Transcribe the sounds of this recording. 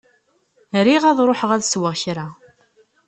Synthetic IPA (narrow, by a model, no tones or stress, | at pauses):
ɾiʁæðˤɾˤoħəʁæðswəʁçɾa